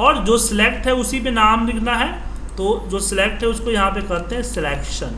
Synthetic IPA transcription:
ɔːɾd͡ʒoːsɪleːkʈɦɛʊsipenaːmlɪkʰnaɦɛ | t̪oːd͡ʒoːsɪleːk̚ʈɦɛʊskojɐɦãpekɐɾt̪eɦɛ̃sɪleːkʃən

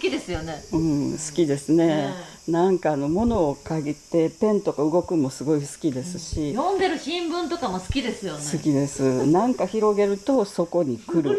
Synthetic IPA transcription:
sɨ̥kʲid̪e̞sɨjoneɯ̃ːsɨ̥kʲid̪e̞sɨne̞ | nãŋkaːno̞mo̞no̞ːkaɡʲit̪ːe̞pẽ̞nt̪o̞kaɯ̟ɡo̞kɯ̟mo̞sɨɡo̞isɨ̥kʲid̪e̞sɨɕijõnd̪eɾɯ̟ɕĩmbɯ̟̃nt̪okamosɨ̥kʲid̪esɨjosɨkʲid̪e̞sɨnãŋkaçiɾo̞ɡe̞ɾɯ̟t̪o̞so̞ko̞ɲ̟ikɯ̟ɾɯ̟

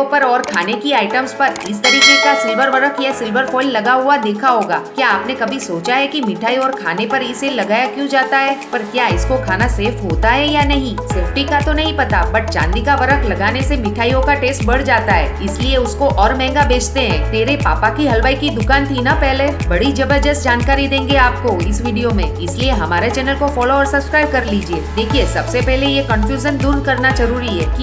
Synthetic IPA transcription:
opɐɾɔːɾkʰaːnekiaːɪʈəmspɐɾɪst̪ɐɾiːkekasɪlʋəɾʋɐɾəkʰjasɪlʋəɾfʰɔːɪlːɐɡaɦuad̪eːkʰaɦoːɡa̰ːkjaːpnekɐbʱisoːt͡ʃaɦɛkimɪʈʰaːiɔːɾkʰaːnepɐɾɪselɐɡaːjakjũd͡ʒaːt̪aɦɛːpɐɾkjaːɪskokʰaːnaseːfɦoːt̪aɦɛjanɐɦĩseːfʈikat̪onɐɦĩpɐt̪abɐʈ̚t͡ʃã̰ːnd̪ikaʋɐɾəkʰlɐɡaːnesemɪʈʰaːijõkaʈeːsʈbɐɽ̤d͡ʒaːt̪aɦɛ̰ːɪslieʊskoʔɔːɾmɛ̃ːŋɡabeːt͡ʃt̪eɦɛ̃ːt̪eːɾepaːpakiɦɐlʋaːikid̪ʊkaːnt̪ʰinapɛɦlebɐɽid͡ʒɐbəɾd͡ʒəsd͡ʒaːnkaːɾid̪ẽːŋɡeaːp̚koɪsʋiːɖijomḛ̃ɪslieɦɐmaːɾet͡ʃɛːnəlkofɔːloɔːɾsɐbskɾaːɪb̚kɐɾliːd͡ʒieːd̪eːkʰiesɐbsepɛɦlejekɐ̃nfjuːʒənd̪ʊnkɐɾnad͡ʒɐɾuːɾiɦɛ̰ːki

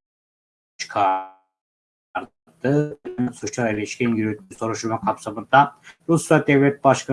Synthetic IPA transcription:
t͡ʃʰɯ̥kʰa | ɾ | d̪ɯbɛnsut͡ʃailʲiʃkʲɛnjyɾyt̪ʰyso̞ɾuʃumakʰɑpsamɯnd̪aɾusjad̪evlʲɛt̪̚baʃkʰa

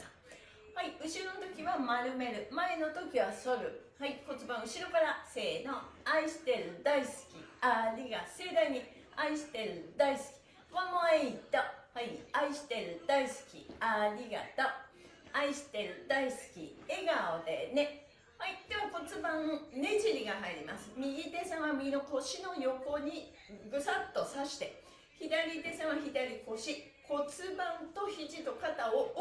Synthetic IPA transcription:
haiɯ̟ɕiɾo̞not̪o̞kʲiβamaɾɯ̟me̞ɾɯ̟mae̞no̞t̪o̞kʲiβaso̞ɾɯ̟haiko̞t͡sɨbãɰ̃ɯ̟ɕiɾo̞kaɾase̞ːno̞aiɕi̥t̪e̞ɾɯ̟d̪aisɨ̥kʲiaɾʲiɡase̞ːd̪aiɲ̟i | aiɕi̥t̪e̞ɾɯ̟d̪aisɨ̥kʲi̥ | mamaeit̪ohaiaiɕi̥t̪e̞ɾɯ̟d̪aisɨ̥kʲḭaɾʲiɡa̰t̪oaiɕi̥t̪e̞ɾɯ̟d̪aisɨ̥kʲḭe̞ɡaod̪e̞̰ne̞ | haid̪̥e̞mako̞t͡sɨbãne̞ʑiɾʲiɡaɦaiɾʲimasɨ̥mʲiɡʲit̪e̞sãɰ̃βamiino̞ko̞ɕino̞jo̞ko̞ɲ̟i | ɡɯ̟sat̪ːo̞saɕi̥t̪e̞ | çid̪aɾʲid̪e̞sãɰ̃βaçid̪aɾʲiko̞ɕi | ko̞t͡sɨbãnt̪o̞çiʑit̪o̞kat̪ao

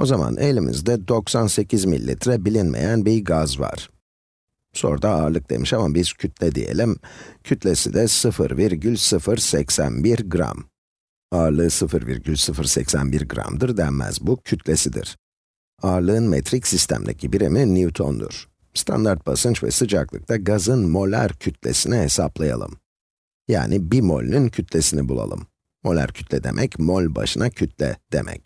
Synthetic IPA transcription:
o̞zama̰nʔelʲimʔḭzd̪ɛd̪o̞ksanse̞cʰizmḭlʲːḭt̪ɾɛbilʲinmʔe̞̰jænbiɾɡazva̰ɾ̥ | so̞̰ɾd̪aaːɾlˠɯk̚d̪e̞̰miʃamabiz̥cʰyt̪ʰlʲɛd̪ḭje̞̰lʲimcʰyt̪lʲesid̪ɛsɯfɯɾviɾɟylʲsɯfɯɾsɛcsænbiɾɡɾa̰m | aːɾlˠɯːsɯfɯɾvḭɾɟylʲsɯfɯɾsɛcsænbiɾɡɾa̰md̪ɯɾd̪ænmæ̰zbucʰyt̪ʰlʲesid̪ḭɾ̥ | aːɾlˠɯɯnmet̪ʰɾicsist̪ʰæ̰md̪ʲecʰibiɾiminiut̪ʰo̞nd̪ṵɾ̥ | st̪ʰa̰nd̪aɾt̪̚basɯnt͡ʃvɛ̰sɯd͡ʒaklˠɯ̰k̚t̪ʰaɡazɯnmo̞lʲæ̰ɾcʰyt̪lʲe̞̰sinɛhe̞saplˠaja̰lˠɯ̰m | ja̰ːnibimo̞̰lʲnyncʰyt̪ʰlʲe̞sinibulˠa̰lˠɯmː | o̞lʲæ̰ɾcʰy̥t̪lʲɛd̪e̞̰mʔɛcmo̞lʲba̰ʃɯnʔacʰyt̪ʰlʲɛ̰d̪̥e̞̰mʔɛ̰c

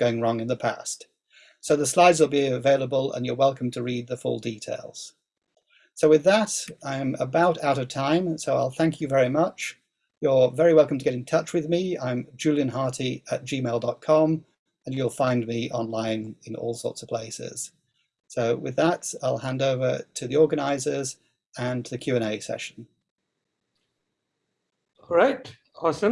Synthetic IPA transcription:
ɡ̥oʊɪ̃ŋɹɔ̃ŋɨ̃nðəpʰæ̰st | soʊðəslaɪdzwəlˠbiɨveɪlˠəbəlˠə̰̃njə˞wɛlˠkʰə̃mtʰɨɹid̪̚ðɨfʊ̰lˠditʰeɪlˠz̥ | soʊwɨðəɾãɪ̃mə̰baʊɾaʊɾʌv̥tʰãɪ̃msoʊaɪlˠθæ̃ŋkʰjɨvɛɹimʌt͡ʃ | jə˞vɛɹiwɛlˠkəm̩tʰəɡɛɾɨ̃ntʰʌt͡ʃwɨðmiã̰ɪ̃md͡ʒʉlˠjɨ̃nɦɑɹɾiɨt̚d̥ʒ̥imeɪlˠdɒt̚kʰɑ̃m | ə̃njulˠfãɪ̃nmiʔɑ̃nlãɪ̃nɪ̃nɔ̰lˠsɔ̰ˑɹtsʌv̥pʰl̥eɪsɪ̰z̥ | soʊwɪ̰ðətaɪlˠhæ̃ndoʊvə˞tʰɨðiɔɹɡɨñaɪzə˞z | ɨ̃nʰðɨkʰj̥ʉɛ̃ñeɪsɛ̰ʃn̩ | ɹaɪt | ɑsə̃

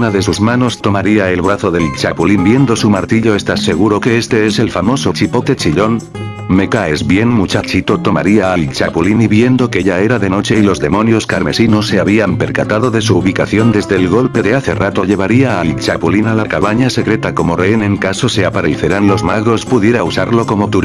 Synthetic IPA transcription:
unaðe̞suzmano̞st̪o̞maɾiae̞lβɾaθo̞ðe̞lt͡ʃapulimbje̞nd̪o̞sumaɾt̪iʎo̞e̞st̪ase̞ɣ̞uɾo̞ke̞est̪e̞e̞se̞lfamo̞so̞t͡ʃipoket͡ʃiʎo̞n | me̞kae̞zβje̞ŋmut͡ʃat͡ʃit̪o̞t̪o̞ma̰ɾiaalt͡ʃapuliniβje̞nd̪o̞ke̞ʎae̞ɾaðe̞no̞t͡ʃe̞ilo̞zðe̞mõ̞njo̞skaɾme̞sino̞sːe̞aβiampe̞ɾkat̪aðo̞ðe̞suːβikaθjo̞nd̪e̞zðe̞ːlɣo̞lpe̞ðe̞aθe̞rat̪o̞ʎe̞β̞aɾiaːlt͡ʃapulinalakaβaɲase̞kɾe̞t̪ako̞mo̞reene̞ŋkaso̞seapaɾelθeɾanlo̞zmaɣɾo̞spuðje̞ɾausaɾlo̞ko̞mo̞t̪uɾ

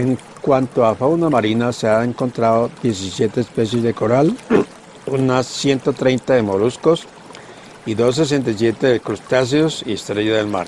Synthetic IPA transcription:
eŋ | kwant̪oafawnamaɾinaseaeŋko̞nt̪ɾaðoðje̞s̬isje̞t̪eːspe̞s̬je̞zðe̞ko̞ɾal | unasːje̞nt̪ot̪ɾe̞jnt̪aðemo̞lusko̞s | iðo̞s̬es̬e̞nt̪̬ajs̬je̞t̪eðekɾust̪as̬eosiest̪ɾeʝaðelma̰ɾ

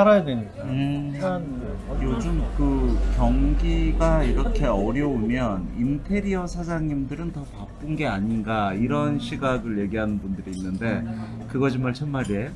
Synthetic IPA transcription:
aɾajadweɲik͈a | jod͡ʑɯmkɯkjʌŋɡiɡaiɾʌkʰe̞ʌɾjʌomjʌnintʰe̞ɾiʌsʰad͡ʑaŋɲimdɯɾɯntʌpap͈ɯnɡe̞aɲinɡaiɾʌnɕʰiɡaɡɯɭje̞ɡiɦanɯnbundɯɾiːnːɯnde̞ | kɯɡʌd͡ʑ̬ʰimːaɭt͡ɕʰʌnmaɾie

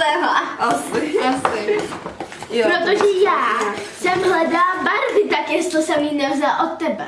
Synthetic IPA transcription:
ɛɦaasɪasɪ | pɾot̪oʒɛjaːsɛmɦlɛdaːbaɾvɪt̪akjɛst̪osɛmjinɛvzɛlʔot̪ːɛbɛ

